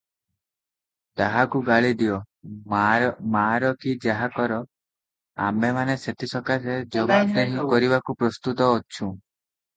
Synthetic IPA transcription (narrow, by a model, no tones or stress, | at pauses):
t̪aɦakuɡaɭid̪ijɔ | maɾɔkid͡ʒaɦakɔɾɔ | a̰mbemaneset̪isɔkased͡ʒɔɡɔt̪ɾeɦĩkɔɾibakupɾɔst̪ut̪ɔːt͡ʃʰũ